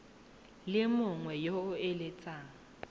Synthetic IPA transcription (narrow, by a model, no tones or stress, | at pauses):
lɪmʊŋwɛjoʊelet͡sʼaːŋ̩